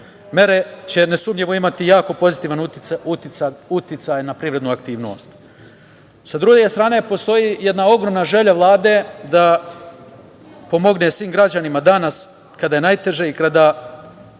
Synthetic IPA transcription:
me̞ɾet͡ɕe̞nesuːmʎeʋoimat̪ijaːko̞po̞zit̪iːʋanuut̪ut̪jit̪sajnapɾiːʋɾe̞d̪nuakt̪iːʋno̞̰st̪ | sad̪ɾuɡe̞st̪ɾaːne̞po̞st̪o̞jije̞d̪nao̞ɡɾo̞mnaʒe̞ʎaʋlˠaːd̪e̞d̪a | po̞mo̞ɡne̞sʋiːmɡɾad͡ʑanimad̪anas | kad̪ajenajt̪e̞ʒe̞ikad̪a

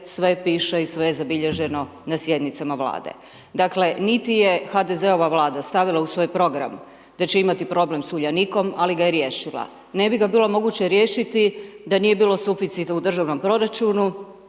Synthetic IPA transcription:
sʋe̞piːʃeisʋe̞jezabiʎe̞ʒe̞no̞ | nasje̞d̪nit̪samaʋlˠa̰ːd̪ḛ | d̪akle̞nit̪ije̞xad̪e̞ze̞o̞ʋaʋlaːd̪ast̪aʋilˠausʋo̞ːjpɾo̞ɡɾa̰m | d̪̥at͡ɕe̞imat̪ipɾo̞ble̞msuʎaniko̞maliɡajeɾjeːʃilˠa̰ | ne̞biɡabiːlˠo̞mo̞ɡut͡ɕeɾje̞ːʃit̪id̪anije̞biːlˠo̞sufit̪sit̪ud̪r̩ʒaʋno̞mpɾo̞ɾat͡ʃunu

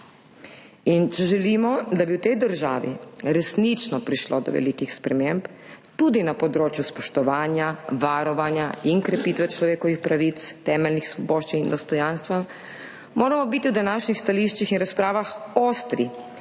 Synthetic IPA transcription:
int͡ʃɛʒɛlimɔd̪abiwt̪ɛjd̪əɾʒaːʋḭɾɛsnit͡ʃnɔpɾiʃlo̰d̪ɔ̰ʋɛ̰likixspɾɛmemp | t̪ud̪inapɔd̪ɾoːt͡ʃjuspɔʃt̪ɔʋaːnjaʋaɾɔʋanjainkɾɛpiːt̪ʋɛt͡ʃlɔʋeːkɔʋixpɾaʋit̪st̪ɛːmɛlnixsʋɔboːʃt͡ʃinind̪ɔst̪ɔjanst̪ʋa | moːɾamɔbit̪iwd̪anaːʃnixst̪aliʃt͡ʃixinɾaspɾaːʋaxoːst̪ɾi

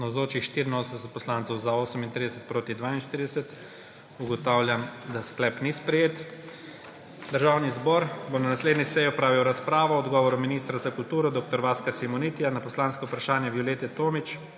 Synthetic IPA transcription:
nɐzoːt͡ʃixʃt̪iɾinoːsənsɛt̪̚pɔslant̪sɔwzaoːsəmint̪ɾid̪ɛsɛt̪pɾoːt̪id̪ʋaːinʃt̪iɾid̪ɛsɛt̪ | uɡɔt̪aːwljamd̪asklɛːpnispɾɛjeːt̪ | d̪əɾʒaːwnizbɔɾbonanasleːd̪nisɛjiɔpɾaːʋiwɾaspɾaːʋɔːd̪ɡɔːʋɔɾuminist̪ɾazakult̪uːɾɔd̪oːk̚t̪ɔɾʋaːskasimɔnit̪ijanapɔslaːnskɔupɾaʃaːnjabjuljet̪ɛt̪oːmit͡ʃ

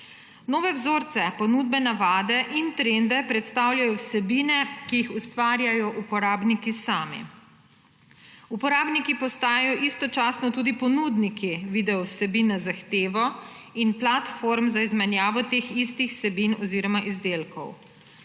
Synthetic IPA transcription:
noːʋɛwzoːɾt̪sɛpɔnuːd̪̚bɛnaʋaːd̪ɛʔint̪ɾend̪ɛpɾɛt̪st̪awlʲjajɔwsɛbiːnɛkijixust̪ʋaːɾjajɔʔupɔɾaːbnikisaːmḭ | upɔɾaːbnikipɔst̪aːjjɔʔist̪ɔt͡ʃaːsnɔt̪uːd̪ipɔnud̪nikiʋiːd̪ɛɔwsɛbiːnazaxt̪eːʋɔinplat̪foɾmzaizmɛnjaːʋɔt̪eːxist̪ixw̥sɛbinɔziːɾɔmaʔizd̪eːlkʰɔ̰w

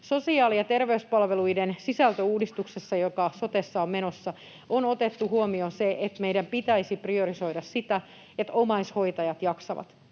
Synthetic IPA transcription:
so̞siɑːliɑt̪erʋeyspɑlʋe̞luidensisælt̪øuːdist̪uksesːɑjokɑsot̪esːɑommenosːɑ | onot̪et̪ːuhuomioseʔet̪meidæmpit̪æisiprio̞riso̞idɑssit̪æ | et̪omɑisho̞it̪ɑjɑt̪jɑksɑ̰ʋɑ̰t̪

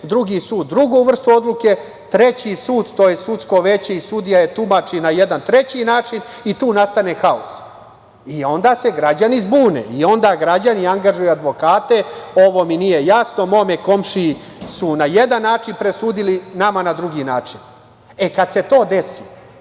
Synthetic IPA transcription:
d̪ɾuɡisuːd̪̚ːɾuɡuʋr̩st̪uo̞d̪lˠuke̞ | t̪ɾe̞t͡ɕisuːd̪t̪ojesut̪sko̞ʋe̞t͡ɕeisud̪ijajet̪umat͡ʂinaje̞d̪ant̪ɾe̞t͡ɕinaːt͡ʃin | it̪uːnast̪ane̞xaos | io̞nd̪aːse̞ɡɾad͡ʑanizbuːnḛio̞nd̪aːɡɾad͡ʑaniaŋɡaʒujuad̪ʋo̞kaːt̪e̞o̞ʋo̞minije̞jasno̞mo̞meko̞mʃiji | sunaje̞d̪anːaːt͡ʃinpɾe̞suːd̪ilinamanad̪ɾuɡiːnaːt͡ʂin | ekad̪se̞t̪o̞ːd̪e̞si

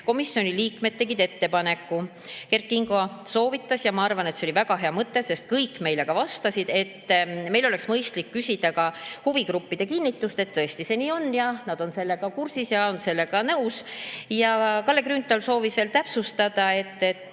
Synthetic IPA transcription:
ko̞misːjo̞nʲiliːkme̞d̪̚t̪e̞ɡ̥id̪e̞t̪ːe̞pɑne̞kːˑu | ke̞rt̪̚kiŋɡo̞so̞ːvit̪ːˑɑsjɑmɑɑrvɑnet̪seo̞livæɡ̥ɑɦe̞ɑmɤt̪ːe̞se̞st̪̚kɤjkːme̞jle̞ɡ̥ɑvɑst̪ɑsid̪̥e̞t̪ːme̞jlo̞le̞ksmɤjst̪likːysʲid̪̥ɑkɑhuviɡrupːid̪̥e̞kinʲːit̪ːˑust̪e̞t̪t̪ːɤest̪ise̞niːo̞nːjɑnɑd̪o̞nse̞lːe̞ɡ̥ɑkursisjɑo̞nse̞lːe̞ɡ̥ɑnɤwsjɑkɑlːe̞kryːnt̪ːˑɑlso̞ːvisve̞ːlt̪æpsust̪ɑd̪̥ɑe̞t̪ːe̞t̪ː

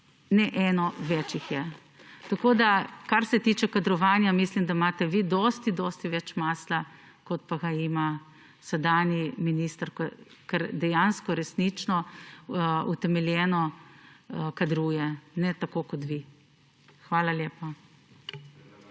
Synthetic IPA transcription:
nɛʔɛːnɔʋɛt͡ʃixjɛ | t̪akoːd̪akaɾsɛt̪iːt͡ʃɛkad̪ɾɔʋaːnjamislimd̪amaːt̪ɛʋid̪ɔst̪id̪ɔst̪iʋɛt͡ʃmaːsla | kɔt̪̚paɡaima | sɛd̪aːnjiminiːst̪ɾkɔ | kɛɾd̪ɛjanskɔɾɛsnit͡ʃnɔ | ut̪ɛmɛljɛːnɔ | kad̪ɾuːjɛnɛt̪akoːkɔt̪ʋi | xʋaːlaljeːpa

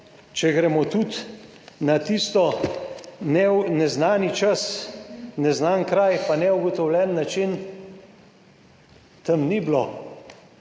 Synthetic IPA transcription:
t͡ʃɛɡɾɛmɔt̪ut̪ | nat̪ist̪ɔ | nɛnɛznaːnit͡ʃas | nɛznankɾajpanɛuɡɔt̪ɔwlʲɛnːat͡ʃin | t̪əmniblo

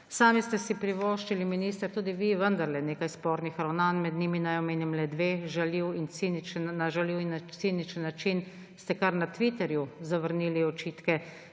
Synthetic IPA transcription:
saːmist̪ɛsipɾiʋɔːʃt͡ʃiliminist̪əɾt̪uːd̪iʋiʋənd̪aɾlɛneːkajspɔːɾnixɾawnanmɛd̪niːminajɔmeːnimlɛd̪ʋeːʒaliwint̪init͡ʃnnaʒaliwint̪sinit͡ʃənːat͡ʃin | st̪ɛkaɾnat̪ʋit̪ɛɾjuzaʋəɾniːliɔt͡ʃiːt̪kɛ

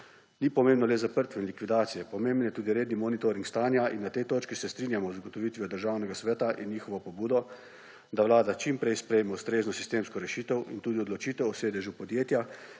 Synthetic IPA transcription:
niːpɔmeːmbnɔlɛzapəɾt̪ʋɛinlikʋid̪aːt̪sijɛpɔmẽːmbənjɛt̪uːd̪iɾeːd̪nimɔːnit̪oɾiŋkst̪aːnjaʔinːat̪ɛjt̪oːt͡ʃkisɛst̪ɾiːnjamɔzaɡɔt̪ɔʋiːt̪ʋiɔd̪əɾʒawnɛɡasʋɛːt̪aʔinːiːxɔʋɔpɔbuːd̪ɔ | d̪aʋlaːd̪at͡ʃimpɾɛjspɾɛjmɛust̪ɾeːznɔsist̪eːmskɔɾɛʃiːt̪ɛwint̪uːd̪iɔd̪lɔt͡ʃiːt̪ɛwɔseːd̪ɛʒjupɔd̪jeːt̪ja

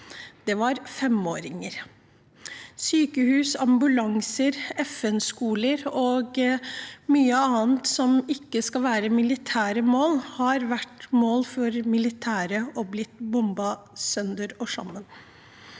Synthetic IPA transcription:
d̪̥ɛʋɑɾfɛmo̰ːɾɪŋəɾ | syːkəhʉːsɑmbʉlɑŋsəɾɛfɛnskuːləɾoːɡ | myːəɑːnt̪sɔmɪkːəskɑlʋæːɾəmɪlɪt̪ʰæːɾəmoːlhɑɾʋæʈmoːlfɔɾmɪlɪt̪ʰæːɾəɔblɪt̪bʊmbɑsœnd̪əɾɔʂɑ̰mːən

